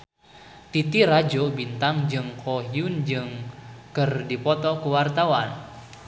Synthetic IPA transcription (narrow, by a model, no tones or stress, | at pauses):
t̪it̪irad͡ʒobint̪aŋd͡ʒɨŋkʰoɦiund͡ʒɨŋkɨrdipɔt̪ɔkuwart̪awan